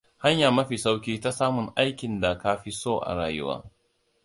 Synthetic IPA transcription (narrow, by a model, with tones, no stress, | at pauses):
ha˦ɲjaː˨mɐ˦ɸi˨sa˦wkʲiː˦ta˦saː˦mʊ˨ŋʔa˦jkʲɪ˨nda˨ka˦ɸi˦soː˦˨ʔa̰˨ɽaː˨jʊ̰˦wa̰ː˦